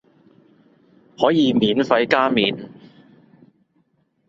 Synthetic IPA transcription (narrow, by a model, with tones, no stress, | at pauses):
hɔː˨˥jiː˨˧miː˨˥nfɐ˧jkaː˥miː˨˥n